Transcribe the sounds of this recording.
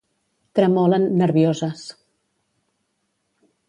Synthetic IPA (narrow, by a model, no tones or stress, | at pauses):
t̪ɾəmɔlənːəɾβiozəs